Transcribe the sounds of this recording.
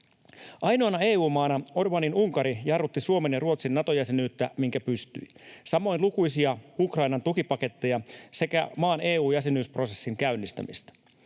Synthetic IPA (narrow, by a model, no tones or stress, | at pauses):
ʔɑjnoɑnɑe̞ːuːmɑːnɑo̞rbɑninuŋkɑɾijɑrʋut̪ːisuo̞menjɑruo̞t̪sinːɑt̪o̞jæsenyːt̪ːæmiŋkæpyst̪y̰i | sɑmo̞jnlukujsiɑukrɑjnɑnt̪ukipɑke̞t̪ːe̞jɑse̞kæ̰mɑːne̞ːuːjæsenyːspro̞se̞sːiŋk̟æynːist̪æ̰mist̪æ̥